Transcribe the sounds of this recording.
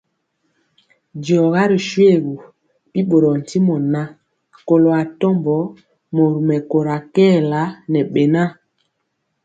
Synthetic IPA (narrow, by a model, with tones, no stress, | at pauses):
d͡ʒi˨ɔ˨ɣa˦ɾi˨ʃwe˦˨ɣu˨ | pi˦ɓo˨ɾɔ˨n̩˨ti˦mɔ˨na˦ | ko˨lo˨a˨tɔ˦mbɔ˨˦ | mɔ˨ɾu˨mɛ˨ko˨ɾa˨kɛː˦˨la˦nɛ˨ɓe˨na˦˨